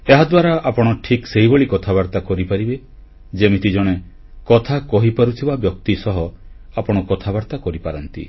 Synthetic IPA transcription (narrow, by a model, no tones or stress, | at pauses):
eɦad̪waɾaʔapɔɽ̃ɔʈʰikseɦiboɭikɔt̪ʰaβaɾt̪akɔɾipaɾibe | d͡ʒemit̪id͡ʒɔɽ̃e | kɔt̪ʰakɔɦipaɾut̪ʰibabjɔk̚t̪isɔɦɔ | apɔɽ̃ɔkɔt̪ʰabaɾt̪akɔɾipaɾɔnt̪ḭ